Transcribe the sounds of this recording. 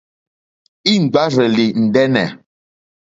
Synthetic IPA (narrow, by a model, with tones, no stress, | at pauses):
i˦ŋ̩˨ɡ͡ba˦ɾɛ˨li˨n̩˨dɛ˦nɛ̰˨